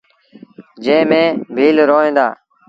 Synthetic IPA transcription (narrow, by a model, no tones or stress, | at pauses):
d͡ʒẽːmẽːbʱiːlɾoːẽːd̪a̰ː